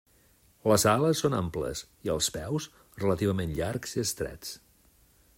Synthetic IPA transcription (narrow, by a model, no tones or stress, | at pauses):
ləzaləsːona̰mplə̰s | iəlˠspɛws | rələt̪iβ̞əmenʎaɾkz̥iəst̪ɾɛ̰t͡s